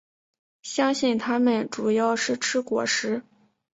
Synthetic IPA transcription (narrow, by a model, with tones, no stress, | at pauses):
ɕjɑ˥ŋɕi˥˩nt̪ʰa˥mə˨nʈ͡ʂu˨˩jɑ˥˩˧ʊʂɻ̩˥˩ʈ͡ʂʰɻ̩˥kwɔ̰˨˩ʂɻ̩˧˥